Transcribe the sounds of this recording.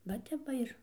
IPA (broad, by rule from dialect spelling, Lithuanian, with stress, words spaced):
ʋɐ ˈtʲɛp ˈʋɐ ɪr